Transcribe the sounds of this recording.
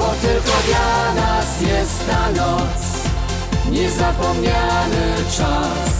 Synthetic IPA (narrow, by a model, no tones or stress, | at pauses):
bɔt̪ɘlkɔd̪lanasjɛst̪t̪anɔt̪s | ɲɛzapɔmɲanɘt͡ʂa | s